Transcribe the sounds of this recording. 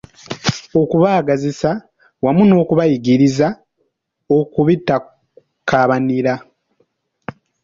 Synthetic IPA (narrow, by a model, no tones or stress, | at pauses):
o̞kuβaːɡazisa | wamuno̞ːkuβajiɡiɾiza | okuβitːa | kaβaniɾa